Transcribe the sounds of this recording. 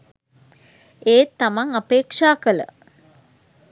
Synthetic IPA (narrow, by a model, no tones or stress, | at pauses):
eːt̪ːamaŋapeːkʂaːkələ̰